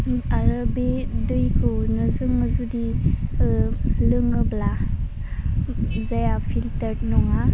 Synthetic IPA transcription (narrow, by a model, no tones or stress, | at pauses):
aɾɯbedɯjkʰɯnɯzɯŋɯzudi | lɯŋɯbla | zajafʰiltəɾ̚nɔŋa